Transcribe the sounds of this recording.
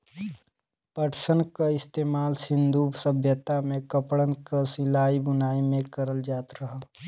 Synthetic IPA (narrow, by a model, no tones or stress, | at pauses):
pəʈsənkaɪst̪eːmaːlsɪ̃nd̪ʱuːbsəbʱjət̪amẽkəpɽənkasɪlaːibʊnaːimẽkəɾəld͡ʒaːt̪ɾɐɦa